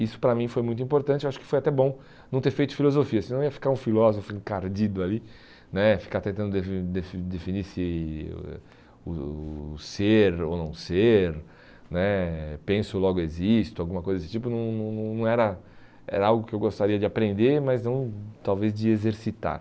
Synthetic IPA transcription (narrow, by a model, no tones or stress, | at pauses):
isʊ̥pɾɐmĩfojmũj̃t̪ʊĩmpoɾt̪ɐ̃t͡ʃɪewaʃʊ̥kɪ̥fojat̪ɛbõ | nɐ̃t̪eɾfejt̪ʊ̥filozofiɐsɪnɐ̃w̃iɐfi̥kaɾũfilɔzofʊẽkaɾd͡ʒid̪ʊali | nɛfi̥kaɾt̪ẽnt̪ɐ̃nd̪ʊd̪efid̪efid̪efiniɾsɪ̰ | ʊ | seɾo̰nɐ̃w̃seɾ | nɛpẽsʊlɔɡʊezist̪ʊawɡũmɐkojzɐd̪esɪ̥t͡ʃipʊnɐ̃w̃nɐ̃w̃nɐ̃w̃nɐ̃w̃ɛɾɐ | ɛ̰ɾɐawɡʊkɪewɡost̪aɾiɐd͡ʒɪapɾẽnd̪eɾmɐznɐ̃w̃t̪awvezd͡ʒɪezeɾsit̪a̰ɾ